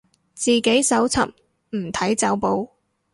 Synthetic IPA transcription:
t͡siː˨ke˨˥jsɐ˨˥wt͡sʰɐ̰˨p̚ | m̩˨˩t̪ʰɐ˨˥jt͡sɐ˨˥wpo˨˧w

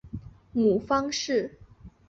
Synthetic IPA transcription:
mu˨˩fɑ˥ŋʂɻ̩˥˩

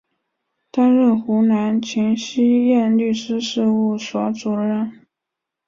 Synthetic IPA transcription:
t̪a˥nɻə˥˩xu˧˥na˧˥nt͡ɕʰi˧˥nɕi˥jɛ˥˧nly˥˩ʂɻ̩˥ʂɻ̩˥˧u˥˩swɔ˧˥ʈ͡ʂu˨˩ɻə˥˩n

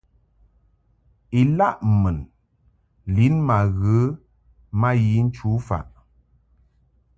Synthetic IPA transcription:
i˨la˦ʔmə˨n | li˨˦nma˨ɣə˨˦ | ma˦ji˨˦n̩˦t͡ʃu˨˦fa̰˨ʔ

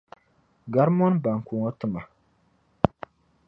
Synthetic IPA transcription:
ɡa˨˦ɾmɔ˦nba˨ŋ˨ku˨ŋɔ˦tɨ˨ma˨

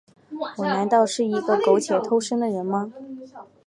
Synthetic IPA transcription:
wɔ˨˩na˧˥nt̪ɑ˥˧ʊʂɻ̩˥˩i˧˥ɡə˥˧ko˧˥ʊt͡ɕʰjɛ˨˩t̪ʰo˥ʊʂə˥ŋd̪ə˨ɻə˧˥nmɐ˧

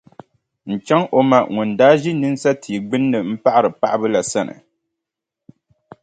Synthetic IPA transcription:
n̩˨t͡ʃa˦ŋʔo˨ma˨ŋu˨ndaː˦ʒi˦nɨ˦n˦sa˦tʰi˨ɡ͡bɨ˦nːɨ˨m̩˦pa˦ʔa˦ɾɨ˨pa˦ʔɨ˦bɨ˦la˨sa˦nɨ̰˨

